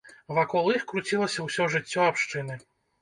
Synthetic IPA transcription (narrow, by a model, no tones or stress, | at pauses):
vakɔlˠixkɾut͡sʲilˠɐsʲɐwsʲɔʐɨt͡sʲːɔapʂt͡ʂɨnɨ